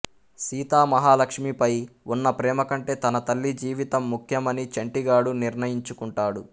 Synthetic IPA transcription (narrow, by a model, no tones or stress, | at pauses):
siːt̪aːmɐɦaːlɐkʂmipɐjunːɐpɾɛːmɐkɐɳʈe̞ːt̪ɐnɐt̪ɐlːid͡ʒiːʋit̪ɐmːukʰjɐmɐnit͡ʃɐɳʈiɡaːɽuniɾnɐjiɲt͡ʃukuɳʈaːɽu